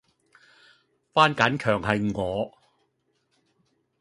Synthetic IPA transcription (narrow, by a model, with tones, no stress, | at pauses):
faː˥nkaː˨˥nkʰœː˨˩ŋhɐ˨jŋɔː˨˧